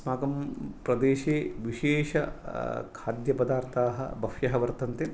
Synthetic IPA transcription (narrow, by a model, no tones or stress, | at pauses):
smaːɡɐmpɾɐd̪eːʃeːʋiʃeːʃɐkʰaːd̪jɐpɐd̪aːɾt̪ʰaːɦɐ̰bɐfjɐɦɐʋɐɾt̪ɐnt̪e